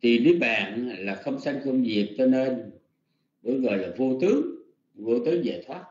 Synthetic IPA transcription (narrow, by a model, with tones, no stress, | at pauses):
t̪i˨˩vi˨˦ɓa̰ː˨nlaː˨˩xə˧wŋ͡msa˧jŋ̟kə˧wŋ͡mvi˨˩ək̚t͡ɕɔ˧ne˧n | ɓə˧˩ɣəː˨˩laː˨˩vo˧t̪ɨ˨˦əŋ | vo˧t̪ɨ˨˦əŋza̰ː˧˨jt̪ʰwaː˦˥t̚